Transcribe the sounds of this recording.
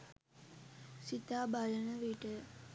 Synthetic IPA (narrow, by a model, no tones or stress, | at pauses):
sit̪aːbalənəʋiʈə